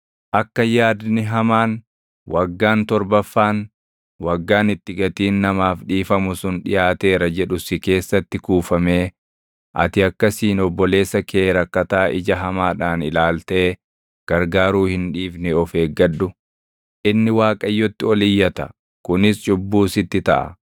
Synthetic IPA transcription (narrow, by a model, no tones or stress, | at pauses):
ʔɐkːɐjaːd̪nɪɦɐmaːn | wɐɡːaːnt̪ɔɾbɐfːaːn | wɐɡːaːnɪt̪ːɪɡɐt̪iːnːɐmaːfᶑiːfɐmʊsʊnᶑɪjaːt̪e̞ːɾɐd͡ʒɛᶑʊsɪke̞ːsːɐt̪ːɪkuːfɐme̞ː | ʔɐ̰t̪ɪɐkːɐsiːnɔbːɔle̞ːsːɐkʰeːɾɐkːɐt̪aːʔɪd͡ʒɐɦɐmaːᶑaːnɪlaːlt̪eː | ɡ̥ɐɾɡaːɾuːhɪnᶑiːfnɛɔfeːɡːɐᶑːʊ | ʔɪnːɪwaːkʼɐjːɔt̪ːɪɔlɪjːɐt̪ɐ | kʊnɪst͡ʃʼʊbːuːsɪt̪ːɪt̪ɐ̰ʔɐ̰